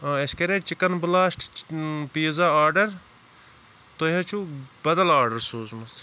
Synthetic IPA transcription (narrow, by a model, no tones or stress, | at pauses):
ãeskɐɾet͡ʃikɐnblaːsʈpiːzaaːɾɖɐɾ | t̪oɦɐt͡ʃʰubɐd̪ɐlaːɾɖɐɾsoːzmɐst̪